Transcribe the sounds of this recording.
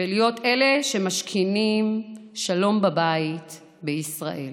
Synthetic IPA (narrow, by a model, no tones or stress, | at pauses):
elijo̞te̞le̞ʃemaʃkʰinimʃalo̞mbabait | beisʁa̰ʔe̞̰l